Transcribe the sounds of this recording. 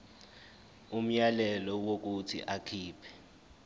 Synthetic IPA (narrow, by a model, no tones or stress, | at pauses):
um̩jalɛlɔwok̬utʰḭʔakʰiːpʰɛ̥